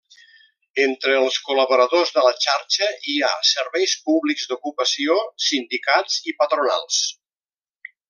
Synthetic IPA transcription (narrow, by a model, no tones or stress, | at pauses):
ent̪ɾəːlˠskuləβuɾəðozðələt͡ʃaɾt͡ʃəia̰səɾβɛjspuβliɡzd̪ukupəsiosind̪ikat͡sipət̪ɾuna̰lˠs